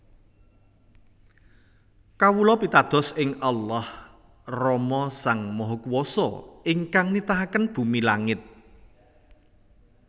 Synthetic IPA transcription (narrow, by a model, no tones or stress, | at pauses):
kawulɔpit̪ad̪̥ɔ̤sɪŋalːah | rɔmɔsaŋmɔɦɔkuwɔsɔ̰ɪŋkaŋnit̪aɦakənb̥ṳmilaŋɪt̪̚